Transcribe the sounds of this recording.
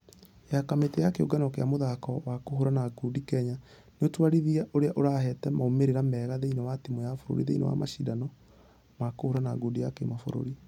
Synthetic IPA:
jakametejakeo̰ɡanɔkeamoðakɔwakohoɾanaɡudikɛɲa | neotwaɾiðiaʔoɾeaʔoɾahɛtɛmaomeɾeɾamɛːɣaðeinɔwatimɔjafoɾo̰ɾḭðeinɔ̰wa̰maʃidanɔ | makohoɾanaɡudijakḛmafo̰ɾo̰ɾi

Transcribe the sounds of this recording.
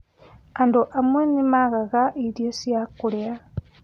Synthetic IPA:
anduʔamwenimaɣaɣaʔiɾjosjakulea

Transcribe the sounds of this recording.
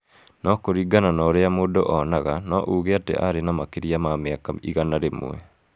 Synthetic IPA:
nɔkoɾiɡananɔɾeamoːdoʔɔnaɣanɔʔuɣeatḛʔa̰ɾenamakeɾiamameakaḭɣanaɾemo̰ɛ̰

